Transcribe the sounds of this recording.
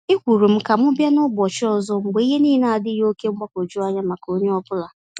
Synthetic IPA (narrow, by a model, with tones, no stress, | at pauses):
ɪ˦kʷu˨ɾu˨m̩˦ka˨m̩˦ʊ˦bja˦nʊ˦bɔ˨t͡ʃɪ˦ɔ˨zɔ˦ŋ͡m̩˦ɡ͡be˨˦i˦ɦe˦niː˦na˦˨a˨dɪ˦ɦo˦ke˦ŋ͡m̩˦ɡ͡ba˦ko˨d͡ʒu˦a˦ɲa˦ma˨ko˦ɲe˦ɔ˦bʊ˦la˨